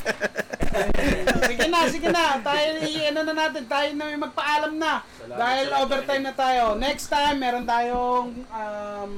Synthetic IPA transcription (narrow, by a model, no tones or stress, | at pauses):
sɪɡɪnɐsɪɡɪnɐt̪aːjoɪʔɐnonɐnaːt̪ɪnt̪aːjʊnɐmɐjmɐɡ̚pɐʔaːlɐmnɐ | d̪aːhɪlʔoːbɛɾt̪ajmnɐt̪aːjo̞nɛkst̪ajmːɛːɾont̪aːjoŋɐm